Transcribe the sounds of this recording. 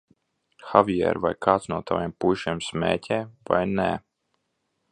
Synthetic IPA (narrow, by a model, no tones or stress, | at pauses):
xavʲiɛ̰ɾvajkʰaːt̪snuɔt̪ʰavʲempujʃimsmɛ̰ːcʰʲɛːva̰jnɛ